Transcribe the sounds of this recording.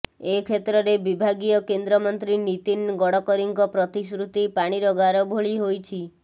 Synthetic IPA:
ekʰet̪ɾɔɾebibʱaɡijɔkend̪ɾɔmɔnt̪ɾinit̪inɡɔɽɔkɔɾiŋkɔpɾɔt̪isɾut̪ipaɽ̃iɾɔɡaɾɔbʱoɭiɦojt͡ʃʰi

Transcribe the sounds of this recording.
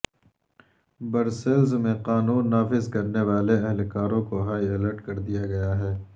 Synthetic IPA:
bɐɾselzmẽqaːnuːnːaːfɪzkɐɾneʋaːleɐɦɛlkaːɾõkoɦaːiɐləɾʈkɐɾd̪ijaɡɐjaɦɛː

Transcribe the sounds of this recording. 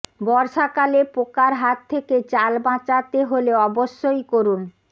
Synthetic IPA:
bɔɾʃakalepokaɾɦat̪ʰːeket͡ɕalbãt͡ɕat̪eɦoleɔboʃːojkoɾun

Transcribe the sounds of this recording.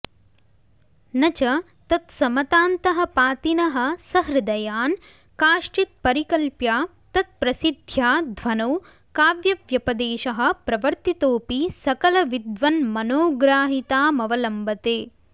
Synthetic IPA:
nɐt͡ʃɐ | t̪ɐt̪sɐmɐt̪aːnt̪ɐɦɐ̆paːt̪inɐɦɐ̆sɐɦɾɐd̪ɐjaːn | kaːʂʈit̪̚pɐɾikɐlpjaː | t̪ɐt̪̚pɾɐsid̪ʱjaːd̪ʱʋɐnoː | kaːʋjɐʋjɐpɐd̪eːʃɐɦɐ̆pɾɐʋɐɾt̪it̪oːpisɐkɐlɐʋid̪ʋɐnmɐnoːɡɾaːɦit̪aːmɐʋɐlɐmbɐt̪eː

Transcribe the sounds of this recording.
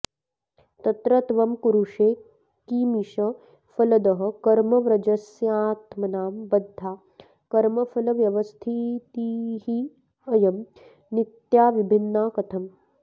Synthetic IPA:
t̪ɐt̪ɾɐt̪ʋɐmkuɾuʂeː | kiːmiʃɐ | fɐlɐd̪ɐɦɐ̆kɐɾmɐʋɾɐd͡ʒɐsjaːt̪mɐnaːmbɐd̪ʱːaː | kɐɾmɐfʰɐlɐʋjɐʋɐst̪ʰit̪iːhi | ɐjɐm | nit̪jaːʋibʱinːaːkɐt̪ʰɐm

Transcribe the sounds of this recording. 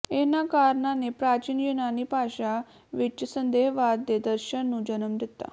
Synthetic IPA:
enakaɾɳanepɾat͡ʃinjenanipaɕa | ʋiəsənd̪eɦʋad̪ːed̪əɾɕənːũːd͡ʑənəmd̪et̪ːa̰

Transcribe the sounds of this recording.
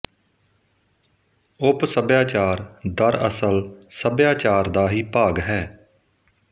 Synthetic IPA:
ʊpsəbjaːt͡ʃaːɾd̪əɾə̰səlsəbjaːt͡ʃaːɾd̪aːɦiːpaːɡɦɛː

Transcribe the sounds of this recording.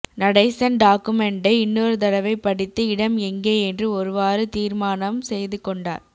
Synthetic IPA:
nɐɽɐɪsɐnɖaːkːɯmɛɳɖɐɪɪnːoːɾɯt̪̬ɐlɐʋɐɪpːɐɽɪt̪ːɯɪɽɐmɛŋɡeːɛndrɯɔɾɯʋaːɾɯt̪iːɾmaːnɐmsɛjðɯkɔɳɖa̰ːɾ

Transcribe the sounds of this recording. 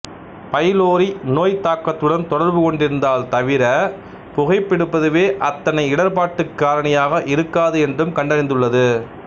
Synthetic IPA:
pɐjloːɾinoːjt̪aːkːɐt̪ːɯɽɐnt̪ɔɽɐɾbɯkɔɳɖɪɾɯnd̪aːlt̪ɐʋɪɾɐ | pʊɣɐɪpːɪɽɯpːɐðɯʋeːʔɐt̪ːɐnɐɪɪɽɐɾpaːʈːɯkːaːɾɐnɐjaːɣɐʔɪɾɯkːaːðɯɛndrɯmkɐɳɖɐɾɪnd̪ɯɭːɐðɯ

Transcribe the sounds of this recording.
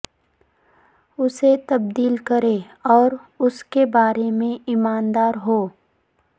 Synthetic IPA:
ʊset̪ɐb̚d̪iːlkɐɾe | ɔːɾʊskebaːɾemẽɪmaːnd̪aːɾɦoː

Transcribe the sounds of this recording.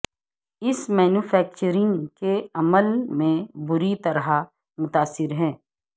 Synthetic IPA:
ɪsmɛːnufʰɛːk̚t͡ʃəɾɪ̃ŋkeɐməlmẽbʊɾit̪ɐɾɦa | mʊt̪aːsːɪɾɦɛ̃ː

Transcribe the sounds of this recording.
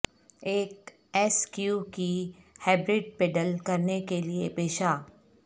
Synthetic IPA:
eːk | ɛːskjuːkihɛːbɾɪɖ̚peːɖəlkɐɾnekeliepeːʃaː

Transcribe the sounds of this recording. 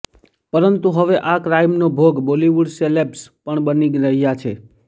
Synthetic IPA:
pəɾənt̪uɦəʋeʔakɾaimnobʱoɡboliʋuɖselepspəɳbəniɡɾəɦijat͡ʃʰe

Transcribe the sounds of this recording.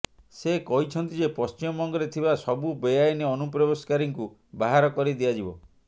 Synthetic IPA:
sekɔɦit͡ʃʰɔnt̪id͡ʒepɔst͡ʃimɔbɔŋɡɔɾet̪ʰibasɔbubejajneɔnupɾɔbeskaɾiŋku | baɦaɾɔkɔɾid̪iad͡ʒibɔ

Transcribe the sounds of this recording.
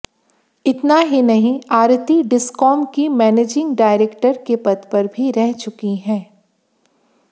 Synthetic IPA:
ɪt̪naɦinɐɦĩaːɾt̪iɖɪskɔːmkimɛːneːd͡ʒɪ̃ŋɡɖaːɪɾeːkʈəɾkepɐd̪pɐɾbʱiɾɛɦt͡ʃʊkiɦɛ̃ː

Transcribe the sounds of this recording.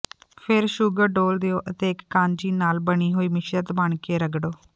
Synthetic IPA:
pʰɪɾʃuːɡəɾɖoːld̪eːoːʔət̪eːɪkːãːɲd͡ʒiːnaːlbəɽiːɦoːiːmɪʃɾət̪bəɳkeːɾəɡɖoː

